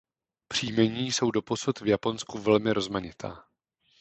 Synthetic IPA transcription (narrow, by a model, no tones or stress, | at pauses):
pr̝̥iːmɛɲiːso̞wdo̞po̞sut̪vjapo̞nskuvɛlmɪɾo̞zmaɲɪt̪ʰa̰ː